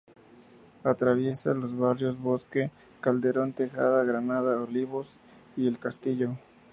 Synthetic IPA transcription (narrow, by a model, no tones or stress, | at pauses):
at̪ɾaβje̞salo̞zβarjo̞zβo̞ske | kald̪e̞ɾo̞nt̪exa̰ðaɣɾanaðaoliβo̞s | ielkast̪iʝo